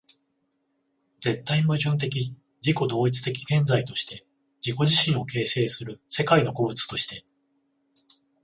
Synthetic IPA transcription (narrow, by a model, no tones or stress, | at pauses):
d͡ze̞t̪ːaimɯ̟ʑɨ̃nt̪̬e̞k̬ʲi | d͡ʑiko̞d̪o̞ːit͡sɨ̥t̪e̞kʲi̥ɡẽ̞nd͡zait̪o̞ɕi̥t̪e̞ | d͡ʑiko̞ʑiɕĩɰ̃o̞ke̞ːse̞ːsɨɾɯ̟se̞kaino̞ko̞bɯ̟t͡sɨ̥t̪o̞ɕi̥t̪e̞